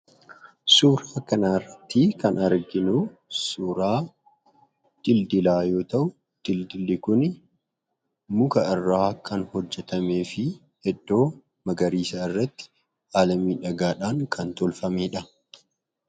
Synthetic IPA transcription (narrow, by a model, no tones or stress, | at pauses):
suːɾaːkɐnaːɪrːɐt̪ːɪkɐnɐɾɡɪnʊsuːɾaː | d̪̥ɪld̪ɪlaːjo̞ːt̪ɐʔʊ | d̪̥ɪld̪ɪlːɪkʊn | mʊkɐɪrːaːkʰɐnhɔd͡ʒːɛt̪ɐme̞ːfɪ | hɛdːo̞ː | mɐɡɐɾiːsaːɪrːɐt̪ːɪ̥ | aːlɐmiːᶑɐɡaːᶑaːŋkʰɐnt̪ɔlfɐmeːᶑɐ